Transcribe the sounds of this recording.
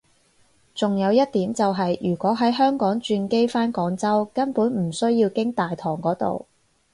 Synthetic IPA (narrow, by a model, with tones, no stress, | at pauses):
t͡sʊ˨ŋjɐ˨˧wjɐ˥t̚t̪iː˨˥mt͡sɐ˨wɦɐ˨jʔyː˨˩kʷɔː˨˥ɦɐ˨˥jɦœː˥ŋkɔː˨˥ŋt͡ʃyː˧nke˥jfaː˥nkɔː˨˥ŋt͡sɐ˥wkɐ˥npuː˨˥nm̩˨˩sɵ˥ɥjiː˧wkɪ˥ŋt̪aː˨jt̪ʰɔː˨˩ŋkɔː˨˥t̪o̰˨w